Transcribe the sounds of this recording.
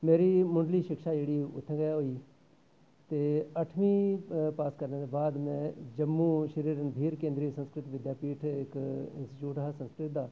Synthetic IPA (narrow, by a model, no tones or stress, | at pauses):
meːɾimʊ̃ɳɖliːʃɪkʃaːd͡ʒeːɽiːʊ̰t̪ʰːɛ̃ɡəjaɦoiː | t̪eːəʈʰmĩːpaːskəɾned̪eːbaːd̪mɛ̃ːd͡ʒəmːuːʃəɾiːɾənbʱiːɾkẽːnd̪ɾiːsə̃nskɾɪt̪ʋɪd̪jaːpiːʈʰɪkɪ̰̃nsʈɪt͡ʃuːʈasə̃nskɾɪt̪̚d̪aː